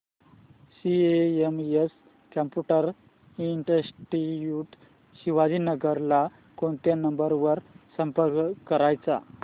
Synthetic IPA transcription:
sieemjes | kəmpjuʈəɾ | iɳʈəsʈijuʈ | ɕiʋad͡ʑiːnəɡəɾla | koɳt̪janəmbəɾʋəɾsəmpəɾkkəɾajt͡sa̰

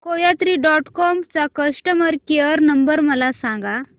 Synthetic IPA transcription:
kojat̪ɾiːɖɔʈkɔmt͡sakəsʈəməɾkeəɾnəmbəɾməlasãŋɡa

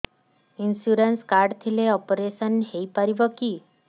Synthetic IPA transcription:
insuɾenskaɾɖt̪ʰileɔpɾesənɦeipəɾiʋəkiː

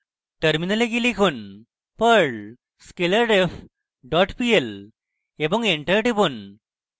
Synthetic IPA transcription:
ʈɐɾminɐleɡilikun | pɐɾɭ | skelɐɾɖef | ɖɔːʈpiel | ebɔŋɡeɳʈɐɾʈibun

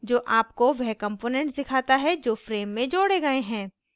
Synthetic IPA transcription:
d͡ʒoːʔaːp̚koʋɛɦkɐ̃mpoːnɛ̃ɳʈd̪ɪkʰaːt̪aɦɛd͡ʒoːfɾeːmːẽd͡ʒoːɽeɡɐeɦɛ̃ː

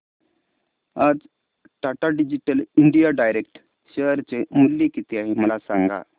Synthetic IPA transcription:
ad͡z | ʈaʈaɖid͡ʑiʈəliɳɖijaɖajɾekʈ | ɕeɾt͡semulːikit̪iaɦiməlasaŋɡa̰

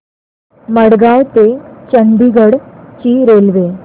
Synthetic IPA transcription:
məɽɡawt̪et͡ɕənd̪iɡəɽt͡ɕiːɾelʋe

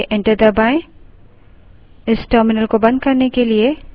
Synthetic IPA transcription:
ʔɛ̃ɳʈəɾd̪əbãɪ̃ | ɪsʈəɾmɪnəlkobɐ̃nd̪̚ʱkɐɾnekelie

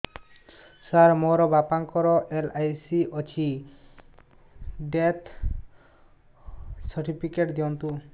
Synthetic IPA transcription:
saɾmoɾɔbapaŋkɔɾɔʔelajsiɔt͡ʃʰi | ɖet̪ʰ | sɔɾʈipʰikeʈd̪iɔnt̪u

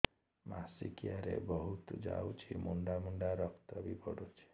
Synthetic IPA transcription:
masikijaɾḛbɔɦut̪d͡ʒa̰wt͡ʃʰimuɳɖamuɳɖaɾɔkt̪ɔbipɔɽot͡ʃʰi̥

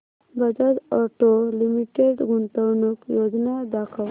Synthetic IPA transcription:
bəd͡ʒəʈ̪ɔʈolimiʈeɖɡʱuɳʈ̪əwnukjod͡znad̪akʰəʋ

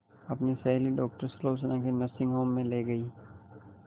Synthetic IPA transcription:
ɐpnisɐɦliɖɔːk̚ʈəɾsloːs̬ənãkenɐsɪ̃ŋɡɦoːmːẽleɡɐiː

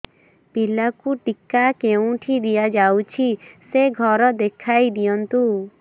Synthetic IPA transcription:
pilakuʈikakeũʈʰid̪ijad͡ʒawt͡ʃʰiseɡʱɔɾɔd̪ekʰajd̪ijɔnt̪u

